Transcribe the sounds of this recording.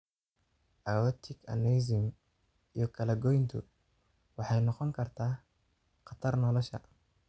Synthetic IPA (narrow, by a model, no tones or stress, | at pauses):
ʔɐwɔt̪ʰɪkʰɐ̰nɛz̬ɪm | ijɞkʰɐlɐɡɔjnt̪ʰʊ | wɑħɑjnɔqɔŋkʰɐrt̪ʰaː | qɑt̪ʰɐrnɔlɔʃɐ̰